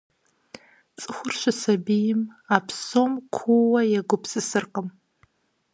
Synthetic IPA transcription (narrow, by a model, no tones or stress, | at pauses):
t͡sʼɨχʷʊrʃʷasabijɪmapʰsomkʷʰuwajaɡʷʊpʰsɨsɨrqʼəm